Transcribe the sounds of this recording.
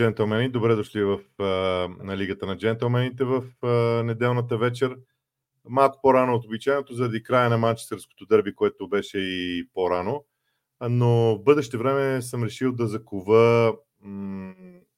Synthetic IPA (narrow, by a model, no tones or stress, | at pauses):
d͡ʒɛnt̪ɛlˠmɛnid̪obɾɛd̪oʃlivəf | nɐliɡət̪ənɐd͡ʒɛnt̪ɛlˠmɛnit̪ɛvəfnɛd̪ɛlˠnət̪əvɛt͡ʃɛɾ | malˠko̥poɾanoːt̪obit͡ʃajnot̪ozɐɾɐd̪ikɾajənɐmant͡ʃɛ̥st̪ɛɾsko̥t̪od̪əɾbikoɛt̪obɛʃɛipoɾano | novbɤd̪ɛʃt̪ɛvɾɛmɛsəmɾɛʃilˠd̪ɐzɐkuvə